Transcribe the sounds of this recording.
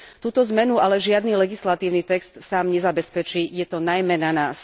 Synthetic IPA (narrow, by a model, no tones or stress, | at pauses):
t̪uːt̪ɔzmɛnualɛʒɪad̪nilɛɡislat̪iːʊnit̪ɛkst̪saːmɲɛzabɛspɛt͡ʃiːjɛt̪ɔnajmɛnanaːs